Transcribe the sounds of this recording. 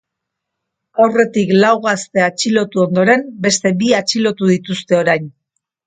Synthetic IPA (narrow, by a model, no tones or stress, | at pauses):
awre̞t̪iklawɣast̪e̞at͡ʃilo̞t̪uo̞nd̪o̞ɾe̞mbe̞st̪e̞biat͡ʃilo̞t̪uðit̪ust̪e̞o̞ɾajn